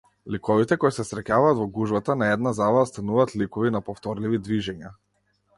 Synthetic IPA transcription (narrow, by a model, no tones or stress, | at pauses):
likɔvit̪ɛkɔjsɛsɾɛcavaːt̪vɔɡuʒbat̪anaɛd̪nazalˠaost̪anuvaːt̪likɔvinapɔft̪ɔɾlivid̪viʒɛɲa